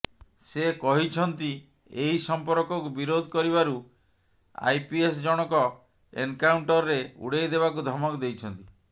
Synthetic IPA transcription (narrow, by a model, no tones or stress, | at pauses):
sekɔɦit͡ʃʰɔnt̪i | eɦisɔmpɔɾkɔkubiɾod̪ʱɔkɔɾiβaɾu | a̰jpies̬d͡ʒɔɽ̃ɔkɔ | ḛŋkawɳʈɔɾɾeṵɽejd̪eβakud̪ʱɔmɔkd̪ejt͡ʃʰɔnt̪i